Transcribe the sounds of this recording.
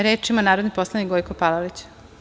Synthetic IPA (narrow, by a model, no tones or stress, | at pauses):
ɾeːt͡ʃimanaːɾod̪nipo̞slˠanikɡojkopalolit͡ɕ